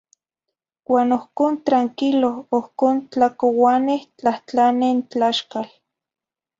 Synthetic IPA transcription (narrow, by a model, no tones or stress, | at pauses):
waːnohkoːnt̪ɾaŋkiloohkoːnt͡ɬakowaneht͡ɬaht͡ɬanent͡ɬaʃkal